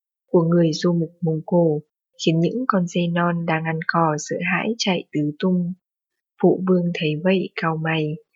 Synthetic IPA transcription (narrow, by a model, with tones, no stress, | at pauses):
ku˧˩əŋɨ˨˩əjzu˧mʊ˨˩k͡p̚mʊ˨˧˩wŋ͡mko˧˩ | xi˨˦ənɲɨ̰˧˥ŋkɔ˧nze˧jnɔ˧nɗaː˧ŋʔa˧nkɔ˧˩sə̰ː˧˨ɦa̰ː˧˥jt͡ɕa̰ː˧˨jt̪ɨ˨˦t̪ʊ˧ŋ͡m | vṵ˧˨vɨ˧əŋt̪ʰə˨˦jvə̰˧˨jkaː˧wma˨˩j